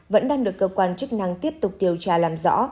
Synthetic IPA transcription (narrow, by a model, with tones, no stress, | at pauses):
və̰˧˥nɗaː˧ŋɗɨ˨˩əkːəː˧kwaː˧nt͡ɕɨ˦˥k̚na˧ŋt̪i˦˥əp̚t̪ʊ˨˩k͡p̚ɗi˨˩əwt͡ɕaː˧˩laː˨˩mzɔ̰˧˥